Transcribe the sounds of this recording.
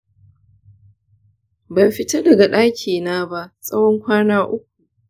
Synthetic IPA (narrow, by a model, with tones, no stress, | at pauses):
bɐ˨jɸɪ˦ta˦dɐ˨ɡa˨ɗaː˦kʲʰiː˨naː˦ba˦ʔsʼɐ˦wɔ˦ŋkʷaː˦naː˦ʔʊ˦k̚ʷu˨